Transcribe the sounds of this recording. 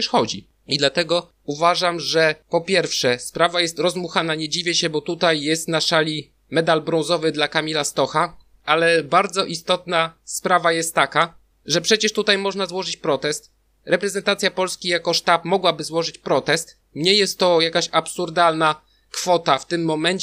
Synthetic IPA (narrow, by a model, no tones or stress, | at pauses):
ʂxɔd͡ʑi | id̪lat̪ɛɡɔ | uvaʐamʐɛpɔpʲjɛɾfʂɛspɾavajɛst̪ɾɔzmuxanaɲɛd͡ʑivʲjɛɕɛbɔt̪ut̪ajːɛst̪naʂalʲi | mɛd̪albɾɔ̃zɔvɘd̪lakamʲilast̪ɔxa | alɛbaɾd̪zɔʔist̪ɔt̪naspɾavajɛst̪ːaka | ʐɛpʂɛt͡ɕɛʂt̪ut̪ajmɔʐnazwɔʐɘt͡ɕpɾɔt̪ɛst̪ | ɾɛpɾɛzɛnt̪at̪sʲjapɔlskʲijakɔʂt̪apmɔɡwabɘzwɔʐɘt͡ɕpɾɔt̪ɛst̪ | mɲɛjɛst̪ːɔjakaɕapsuɾd̪alna | kfɔt̪aft̪ɘmːɔmɛɲt͡ɕ